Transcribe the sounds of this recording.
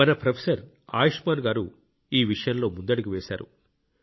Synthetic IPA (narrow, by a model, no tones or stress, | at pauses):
ɐnɐpɾɐpʰesɐɾ | a̰ːjɐʂmaːnɡaːɾu | iːʋiʂɐjɐnlo̞ːmund̪ɐɽiɡiʋeːsaːɾṵ